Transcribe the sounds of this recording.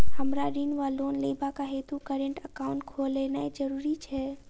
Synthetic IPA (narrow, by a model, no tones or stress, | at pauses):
həmɾaɾinʋalonleibakaɦet̪ukəɾẽɳʈəkaʊ̃ɳʈkʰolɛnaed͡ʒəɾuɾit͡ʃʰɛ